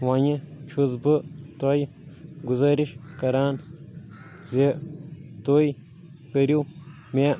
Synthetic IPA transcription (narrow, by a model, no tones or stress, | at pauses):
waɲit͡ʃʰuzbɨt̪oj | ɡuzɐɾiʃkɐɾaːn | ze | t̪oj | kɐɾiw | mʲe